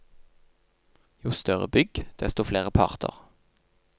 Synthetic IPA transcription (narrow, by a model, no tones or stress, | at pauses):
juːst̪œʁə̰bʏɡd̪̥ɛst̪oːfleːʁəpʰɑ̰ʁt̪ʰə̰ʁ